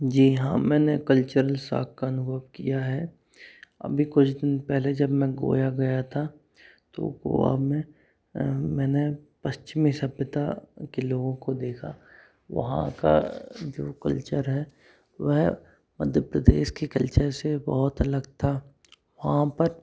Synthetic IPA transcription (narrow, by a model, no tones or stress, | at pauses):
d͡ʒiːɦã̰ːmɛ̃ːnekɐlt͡ʃəɾəlsa̰ːkkaɐnʊbʱəʋkijaɦɛ | ɐ̰bʱikʊt͡ʃʰd̪ɪnpɛɦled͡ʒɐbmɛ̃ɡo̰ːjaɡɐjat̪ʰa | t̪o̰ɡo̰ːa̰mẽ | mɛ̃ːnepɐst͡ʃɪmisɐbjət̪akeloːɡõkod̪eːkʰa | ʋɐ̰ɦã̰ka̰d͡ʒoːkɐ̰lt͡ʃəɾɦɛː | ʋɛɦ | mɐd̪ʱjəpɾəd̪ḛːʃkikɐlt͡ʃəɾsebɔɦʊt̪ɐləɡt̪ʰaː | ʋɐɦãpɐɾ